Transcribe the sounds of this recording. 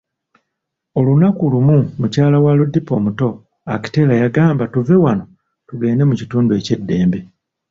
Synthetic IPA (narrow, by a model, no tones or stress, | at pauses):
o̞lunakulumumucaːlawaludːipo̞ːmuto̞ | aki̥te̞lajaɡaːmbatuve̞wano̞ | tuɡe̞ːne̞mucituːndue̞ce̞dːe̞ːmbe̞